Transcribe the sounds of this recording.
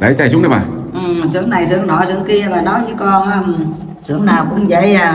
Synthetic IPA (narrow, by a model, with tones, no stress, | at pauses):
ɗə˨˧˦jt͡ɕa˧˩jzʊ˨˦ŋ͡mnə˨˧˦ɓa̰ː˨˩ | ʔɨ˨˩mzɨ̰˧˨˥əŋna˨˩jzɨ̰˧˨əŋnɔ˧˩˦zɨ̰˧˨əŋki˧əvaː˨˩nɔ˨˦jt͡ɕɨ˨˦kɔ˧nʔəː˧m˨˩ | zɨ̰˧˨əŋnaː˨˩wkʊ̰˧˥ŋ͡mzə̰˧˨jaː˨˩